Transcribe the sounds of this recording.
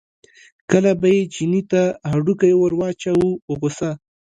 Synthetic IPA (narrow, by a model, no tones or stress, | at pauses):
kəlabajed͡ʒinit̪ahaɖukajewəɾwɑt͡ʃawuʊɣosa